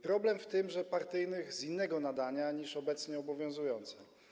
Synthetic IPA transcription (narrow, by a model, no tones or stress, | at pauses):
pɾɔblɛmft̪ɘmʐɛpaɾt̪ɘjnɘɣzinːɛɡɔnad̪aɲaɲiʂɔbɛt̪sɲɛɔbɔvʲjɔ̃w̃zujɔnt̪sɛ